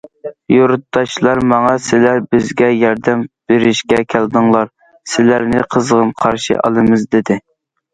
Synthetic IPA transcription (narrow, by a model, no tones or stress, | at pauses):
joɾut̪ːɑt͡ʃlˠɑɾmɑŋɑsɪlæɾbɪzɡʲɛjɑɾd̪ɛmb̥eɾɪʃkʲɛkʲʰæld̪ɨŋlˠɑɾ | sɪlæɾnɪqʰəzʁəmqʰɑɾʃḭʔɑ̰lˠɨmɨzd̪ɪd̪ɪ